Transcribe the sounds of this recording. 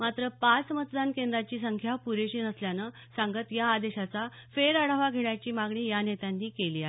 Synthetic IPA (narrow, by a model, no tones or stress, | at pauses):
mat̪ɾəpat͡smət̪d̪ankẽnd̪ɾat͡ɕiːsəŋkʰjapuɾeɕiːnəsljanə | sãŋɡət̪jaːd̪eɕat͡safeɾaɽəʋaɡʱeɳjat͡ɕiːmaɡɳiːjanet̪janːiːkeliːaɦe